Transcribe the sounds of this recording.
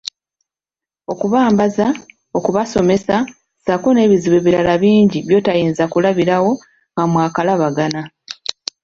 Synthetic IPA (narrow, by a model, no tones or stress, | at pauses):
o̞kuβaːmbaza | o̞kuβaso̞me̞sa | z̥ako̞ne̞ːβiziβe̞βiɾalaβiːɲɟiβjo̞ːtajiːnzakulaβiɾawo̞ | ŋɡamwaːkalaβaɡana